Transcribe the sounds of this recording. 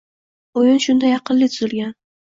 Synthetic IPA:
ʊjʊnʃʊnd̪ajɑqɨnlːɪt̪ʰʊzɪlɡʲan

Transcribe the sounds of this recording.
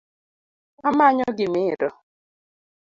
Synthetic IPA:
amaɲɔɡɪmɪɾɔ

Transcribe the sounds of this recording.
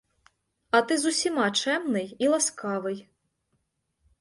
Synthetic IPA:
ɐt̪ɨzusʲimɑt͡ʃɛmnɨjilˠɐskɑʋɨj

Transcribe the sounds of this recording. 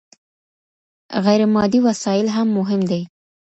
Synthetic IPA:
ɣajɾɪmɑd̪iwasɑjɪlɦamːʊɦɪmd̪e

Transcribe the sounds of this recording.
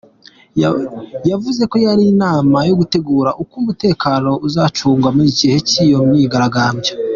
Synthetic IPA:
javuze̞ko̞jaɾiːnaːmajoɡute̞ɡuːɾaʔukumute̞ːkaːno̞ʔuzat͡ʃuːŋɡwamuiɟihe̞cijo̞mɲiɡaɾaɡaːmbja

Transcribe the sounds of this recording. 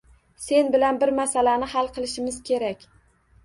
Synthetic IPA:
se̞nbɪlanbɪɾmasalanɪhalˠqʰɨlˠɪʃɪmɪz̥kʲʰe̞ɾakʲ

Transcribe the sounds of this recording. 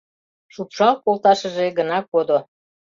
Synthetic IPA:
ʃupʃɑlkolt̪ɑʃə̆ʒeɡənɑkod̪o

